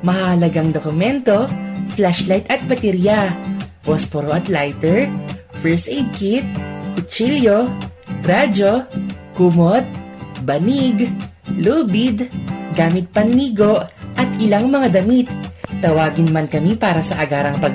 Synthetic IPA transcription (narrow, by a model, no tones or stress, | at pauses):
mɐhahɐlɐɡaŋd̪okʊmɛnt̪o̞flaʃlajt̪ɐt̪̚bɐt̪ɛɾijapospoɾoʔɐt̪lajt̪ɛɹfɛɹsʔɛjd̪̚kit̪̚kʊt͡ʃiljo̞ɾad͡ʒo̞kʊmot̪̚bɐniɡ | luːbɪd̪ɡaːmɪt̪̚pɐnːiːɡo̞ʔɐt̪ʔɪlaŋmɐŋad̪ɐmit̪̚ːɐwaːɡɪnmankɐmipaːɾɐsɐʔɐɡaːɾɐŋpɐɡ